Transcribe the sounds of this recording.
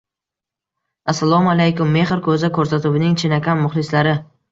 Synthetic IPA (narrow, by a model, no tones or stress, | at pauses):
asːalˠɒmalajkʊmːe̞χɪɾkʰɵzɪkʰɵɾsat̪ʊbɪnɪŋt͡ʃʰɪnakʲʰanmʊχlɪslaɾɪ